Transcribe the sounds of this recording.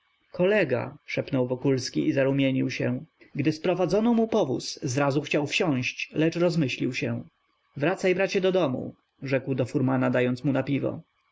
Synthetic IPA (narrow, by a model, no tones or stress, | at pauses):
kɔlɛɡa̰ʂɛpnɔwvɔkulskʲiʔizaɾumʲjeɲiwɕɛ̃ɡd̪ɘspɾɔvad̪zɔnɔmupɔvṵszɾazuxt͡ɕawfɕɔ̃ɕt͡ɕlɛt͡ʂɾɔzmɘɕlʲiwɕɛ | vɾat̪sajbɾat͡ɕɛd̪ɔd̪ɔmṵ | ʐɛkwd̪ɔfuɾmanad̪ajɔnt̪smunapʲivɔ̰